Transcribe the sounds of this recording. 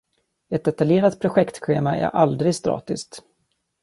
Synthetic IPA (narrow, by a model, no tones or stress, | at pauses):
ɛt̪̚d̪ɛt̪aljeːɾat̪pʰɾʊɧɛkt̪ɧeːmaæ̰ɾʔald̪ɾɪɡst̪ɾɑ̰ːt̪ɪst̪